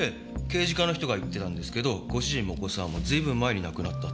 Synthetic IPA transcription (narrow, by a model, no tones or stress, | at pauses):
e | ke̞ːʑikanoçi̥t̪o̞ɡait̪ːe̞t̪ãnd̪e̞sɨ̥ke̞d̪o̞ɡ̥o̞ɕiʑĩmːokosãmːo̞zɨiːbɯ̟̃mːae̞ɲ̟inakɯ̟nat̪ːa